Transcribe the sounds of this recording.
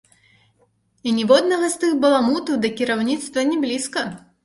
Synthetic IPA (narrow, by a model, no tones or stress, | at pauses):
inʲɛvɔd̪nɐɣɐst̪ɨɣbɐlˠamut̪ud̪ɐkʲiɾawnʲit̪st̪vɐnʲɛblʲiskɐ